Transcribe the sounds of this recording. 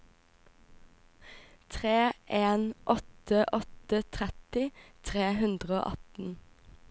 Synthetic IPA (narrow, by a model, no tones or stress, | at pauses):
t̪ʰʁeːʔeːnʔɔt̪əʔɔt̪ət̪ʰʁɛt̪ɪt̪ʰʁeːɦʉnd̪ʁəo̰ːʔɑt̪n̩